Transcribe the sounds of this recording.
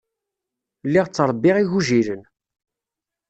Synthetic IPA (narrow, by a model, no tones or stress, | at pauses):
lːiʁt͡sːɾˤəbːɪʁiʝuʒiɾən